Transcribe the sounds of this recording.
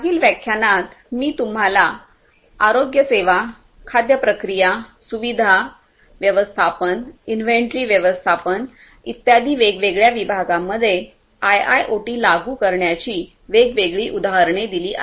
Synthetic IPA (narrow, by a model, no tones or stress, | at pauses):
aɡiːlʋjəkʰjanat̪miːt̪um̤ala | aɾoɡjəseʋa | kʰad̪jəpɾəkɾijasuʋid̪ʱa | ʋjəʋəst̪ʰapəninfeɳʈɾiːʋjəʋəst̪ʰapən | ḭt̪jad̪ʱiːʋeɡʋeɡɭjaʋibʱaɡãmːəd̪ʱːje | aja̰jʔoʈiːlaɡuːkəɾɳjat͡ɕiː | ʋeɡʋeɡɭiːʔud̪aɦəɾɳed̪iliːʔa̰